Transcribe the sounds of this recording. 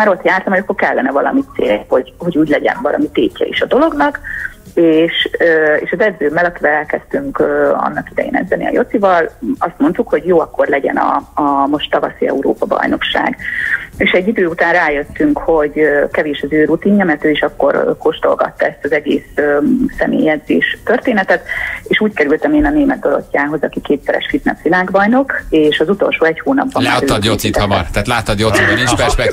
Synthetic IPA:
maːɾo̞t̪jaːrt̪ɒmɦojɒkːorkɛlːɛnɛvɒlɒ̰mit̪sḛːho̞ɟho̞ɟuːɟlɛɟɛ̰nvɒlɒ̰mit̪eːcːɛ̰ḭʃɒd̪o̞loɡnɒk | eːʃøeːʃɒzɛd̪zøːmːɛlɒkivɛlɛlkɛst̪yŋkøɒ̰nːɒkid̪ɛ̰jḛːnɛ̰d̪zɛnḭɒ̰jo̞t̪ivɒlɒst̪mo̞nt̪ukho̞ɟjoːɒkːo̞rlɛɟɛ̰nɒ̰ɒmo̞ʃt̪ːɒvɒ̰siɛ̰uɾo̰ːpɒbɒ̰jno̞kʃa̰ːɡeːʃɛɟːid̪øːut̪aːnraːjø̞t̪ːyŋkho̞ɟkɛveːʃɒzøːɾut̪iːɲːɒmɛrt̪øːiʃɒkːo̞̰rko̞ʃt̪o̞̰lɡɒ̰t̪ːɒɛst̪ɒzɛɡḛːsøːɛmḛːjɛzḛːʃt̪ørt̪eːnɛt̪ɛt̪eːʃuːckɛɾylt̪ɛmeːnɒneːmɛd̪̚d̪o̞ɾo̞̰cːaːɦo̞zɒkikeːt̪sɛɾɛ̰ʃfit̪nɛ̰sʋilaːɡbɒjno̞keːʃɒzut̪o̞lʃoːɛchoːnɒ̰bbɒlmɛːɒd̪josit̪ɒmɒrt̪aːt̪laːt̪ːɒd̪josiɒnint͡ʃpɛʃɛ

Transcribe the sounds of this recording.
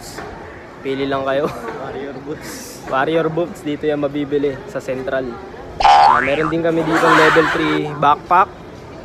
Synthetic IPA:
piːlɪlɐŋkɐjowaɾɛɾbʊt̪̚s | waɾɪjɛɾbʊt̪sd̪iːt̪ojɐŋmɐbiːbɪlɛsɐsɛnt̪ɾɐl | mɛːɾond̪ɪnkɐmɛd̪iːt̪oŋlɛːbɛlt̪ɾibak̚pak̚

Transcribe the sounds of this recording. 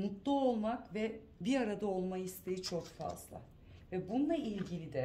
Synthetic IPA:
mut̪lˠuo̞lˠmakvɛ | biɾaɾad̪ao̞lˠmajist̪ʰejit͡ʃʰo̞kfa̰zlˠa̰ | vɛbunlˠailʲɟilʲid̪ɛ

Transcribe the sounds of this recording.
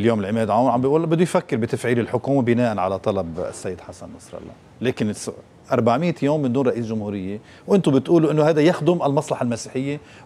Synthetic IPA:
ljoːmɪlʕɪmeːd̪ʕawnʕambijʔuːlbɪd̪ːujfakːɪɾbɪt̪afʕiːlɪlħʊkuːmabɪnaːʔanʕa̰lat̪ˤɑlɑb̰sːajːɪd̪ħasanːɑsˤɾˤɑ̰lˤːɑ̰ | leːkɪns | ʔɑɾˤbaʕmɪːt̪joːmːɪnd̪uːnrˤɑʔiːsʒʊmhuːɾɪjːe | wʔɪnt̪ʊbɪt̪ʔuːluʔɪnːʊhajd̪ajaxd̪ʊmʔalmɑsˤlɑħalmasiːħɪjːe

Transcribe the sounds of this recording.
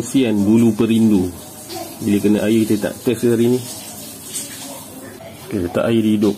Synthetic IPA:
nsiandulupəɾindu | biləkənaʔajikit̪ət̪a̰ʔt̪əskaɾini | kit̪ət̪a̰ʔajidiidʊp̚

